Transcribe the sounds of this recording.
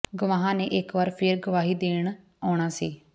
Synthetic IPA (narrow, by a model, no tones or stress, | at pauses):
ɡʊʋaːɦãːneːʔɪkʋaːɾpʰɪɾɡəʋaːɦiːd̪eːɳ | ɔːɳ̃aːsiː